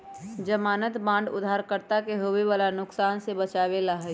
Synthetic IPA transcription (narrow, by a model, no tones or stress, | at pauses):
d͡ʒəmaːnət̪bãːɳɖʊ̰d̪ʱaːɾkəɾt̪akeɦoʋeʋaːlanʊksaːnsebət͡ʃaːʋelaɦə